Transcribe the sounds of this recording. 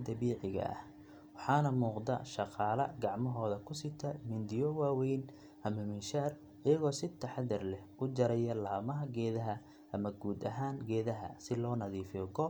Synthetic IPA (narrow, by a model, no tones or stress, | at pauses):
d̪ɐβiːʕɪɣɐ̰ʔɐ̰h | wɑħɑːnɐmuːqd̪ɐ̰ʃɑqɑːlɐɡɑʕmɔɦɔːðɐkʰʊsɪt̪ʰɐmɪnd̪ɪjɔwaːwɛjn | ʔɐmɐmɪnʃaːr | ɪjɐɣɔːsɪt̪ʰɐħɑd̪ɐrlɛhʊd͡ʒɐɾɛjɐlaːmɐɦɐɡɛːðɐɦɐ | ʔɐmɐɡuːd̪ɐɦaːŋɡɛːðɐɦɐ̰sɪlɔːnɐðiːfɡɔ